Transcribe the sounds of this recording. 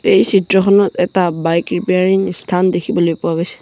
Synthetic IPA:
ejsitɹɔxʰɔnɔtɛtabajkɹipeaɹiŋstʰandekʰibɔlojpʊwaɡojsɛ̥

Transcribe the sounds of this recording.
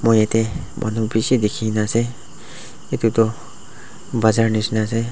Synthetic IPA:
mojet̪emʔa̰nubisid̪ekʰinase | et̪ut̪ɔ | bazaɹnisnas̬e

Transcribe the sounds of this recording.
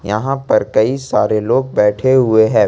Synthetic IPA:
jɐ̰ɦãpɐɾkɐisaːɾeloːɡ̚bɛːʈʰeɦʊeɦɛ̃ː

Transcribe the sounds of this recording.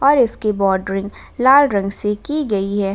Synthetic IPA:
ɔːɾɪskibɔːɖɾɪ̃ŋɡ | laːlɾɐ̃ŋɡsekiɡɐiɦɛː

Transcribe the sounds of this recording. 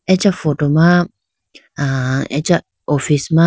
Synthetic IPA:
ɛt͡ʃafotoma | aɛ̰t͡ʃa | ʔofisma

